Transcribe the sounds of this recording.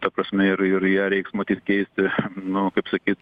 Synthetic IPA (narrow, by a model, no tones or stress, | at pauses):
t̪ɐpɾɐsʲmʲɛɪɾɪɾjiɛɾʲɛɪksmɐt̪ʲiːt̪ʲkʲɛɪsʲt̪ʲɪnʊkɐɪpsɐkʲiːt̪